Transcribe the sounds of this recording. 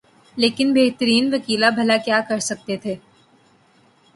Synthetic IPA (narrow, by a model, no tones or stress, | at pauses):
leːkɪnbʱeːɡt̪əɾiːnʋɐkiːlabʱɐlakjaːkɐɾsɐk̚t̪et̪ʰeː